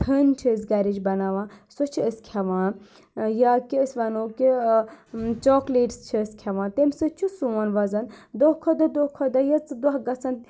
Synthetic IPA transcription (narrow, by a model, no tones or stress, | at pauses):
t̪ʰənt͡ʃʰizɡɐɾid͡ʒbɐnaːʋãːsot͡ʃʰiəsʲkʲʰɐʋãː | jaːkiəsʲʋɐnoːki | t͡ʃɔːkleːʈst͡ʃʰiəsʲkʰʲɐʋãːt̪emʲsɨt͡ʃʰusuːnʋɐzɐnd̪okʰod̪ɐd̪oːkʰod̪ɐjɐt͡sd̪wɐɦɡɐt͡sɐn